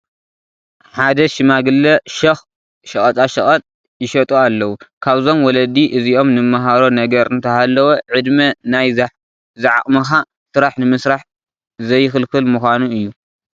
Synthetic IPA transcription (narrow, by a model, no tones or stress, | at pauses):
ħad̪ɐʃɪmaɡɨlːɐʃɐx | ʃɐχʼɐt͡s̪ʼaʃɐχʼɐt͡s̪ʼ | jɪʃɐt̪ʼoalːɐwukʰaβzo̞mwɔlɐd̪iʔɨziʔo̞mnɨmaɦaɾo̞nɐɡɐɾɨnt̪ʰɐhalːɐwoʕɨd̪mɐnaj | zɨʕa̰χʼmɐxa | sɨɾaħnɨmɨsɾaħ | zɐjːɪxɨlkɨlmuxʷanuɨjːu